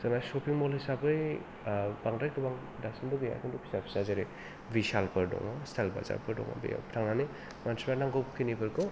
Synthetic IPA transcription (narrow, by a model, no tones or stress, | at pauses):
zanasɔpiŋmɔlhisabɯj | baŋdajk̚dɔbaŋ | dasɯndubija̰kʰɯndupʰi̥sapʰi̥sazaɾe | bisalpʰɯɾdɔ̰ŋɔstʰalba̰za̰ɾpʰɯɾdɔ̰ŋɔ̰bḭj̰pʰtʰaŋnani | mansʰbanaŋɡɔkʰinibɯɾkɔ